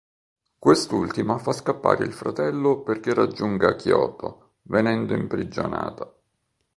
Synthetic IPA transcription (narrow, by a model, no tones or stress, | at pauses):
kwest̪ult̪imafaskapːa̰ːɾḛilfɾat̪ɛlːoperk̟erːad͡ʒːuŋɡakjɔːt̪o̰ | venɛnd̪oimpɾid͡ʒo̰na̰ːt̪a